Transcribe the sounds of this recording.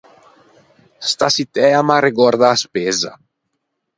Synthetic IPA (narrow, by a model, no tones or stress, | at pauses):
st̪asit̪ɛamaɾeɡɔɾd̪aːspeːza̰